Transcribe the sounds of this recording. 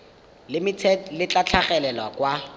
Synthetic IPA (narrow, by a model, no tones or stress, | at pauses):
lɪmɪt͡sʰɛlɪt͡ɬat͡ɬʰaχɛlɛlwakwa